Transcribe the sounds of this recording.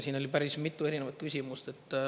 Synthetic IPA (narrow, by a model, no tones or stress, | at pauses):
siːnolʲipæɾismit̪ːue̞ɾineʋɑt̪̚kysʲimust̪et̪ːˑ